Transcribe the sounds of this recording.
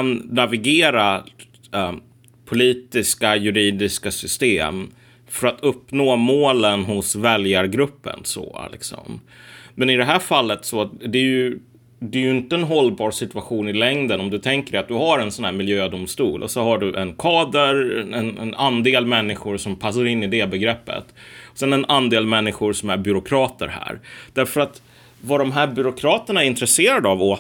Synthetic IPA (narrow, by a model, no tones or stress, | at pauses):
anːavɪɡeːɾa | pʰʊliːt̪ɪskajɵɾiːd̪ɪskasʏst̪eːm | fœɾat̪ʰɵpːnoːmoːlənɦʊsvɛljaɾɡɾɵpːə̰nsɔ̰a̰lɪ̰ksɔ̰m | mɛnɪd̪ɛɦæːfalːət̪sɔtd̪ɛjɵ | d̪ɛːjɵɪnt̪əːnɦɔlːbɑːɾsɪt̪ʉaɧuːnɪlɛŋd̪ənɔmd̪ɵt̪ʰɛŋkəɾɛat̪̚d̪ɵɦaɾɛnsɔnhæːɾmɪljøːd̪ʊmst̪uːlʔɔ̰sɔhaɖɵʔɛnkʰɑːd̪əɾɛɛnɛnand̪eːlmɛnːɪɧʊɾʂɔmpʰas̬ːaɾɪnːɪd̪ɛbɛɡɾɛpːə̰t̪ɔsɛnɛnand̪eːlmɛnːɪɧʊɾʂɔmæɾbʏɾʊkʰɾɑːt̪ə̰ɾhæ̰ːɾd̪̥æɾfœɾat̪ | vaɖɔmɦæːɾbʏɾʊkʰɾɑːt̪əɳaæɾɪnt̪ɾɛseːɾad̪avɔ